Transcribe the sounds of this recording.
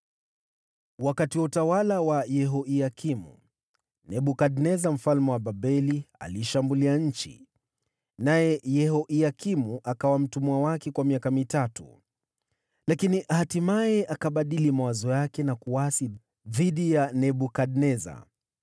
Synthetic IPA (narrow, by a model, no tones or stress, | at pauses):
wakatiwautawalawajɛɦɔiakimṵ | nɛɓukaɗnɛzam̩falmɛwaɓaɓɛlia̰liʃambuliaɲ̩t͡ʃḭ | najɛjɛɦɔʔiakimuʔakawam̩tumuawakɛkwamiakamitatṵ | lakiniʔhatimajɛʔakaɓaɗilimawazɔjakɛnakuwasi | ðiɗijanɛɓukaɗnɛza̰